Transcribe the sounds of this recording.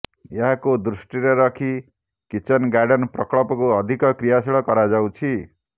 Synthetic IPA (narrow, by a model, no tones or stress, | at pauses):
jeɦakod̪ɾusʈiɾʌɾʌkʰi | kit͡ʃʌnɡaɾɖʌnprʌkɭɔpɔkoʌd̪ʱikʌkɾijasiɭɔkʌɾad͡zaw̃t͡ʃʰi